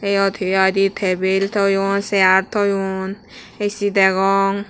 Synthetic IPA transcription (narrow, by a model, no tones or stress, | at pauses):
ejɔt̪ʰijad̪it̪ʰɛbelt̪ʰɔjonsɛaɾt̪ʰɔjun | esid̪ɛɡɔŋ